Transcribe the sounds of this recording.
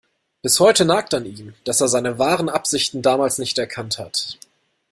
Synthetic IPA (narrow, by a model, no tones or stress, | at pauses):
b̥ɪshɔʏtənaːk̚taniːmd̥aseːɐzaɪnəvaːʁənʔapz̥ɪçtn̩daːmaːlsnɪçtɛɐkʰanthat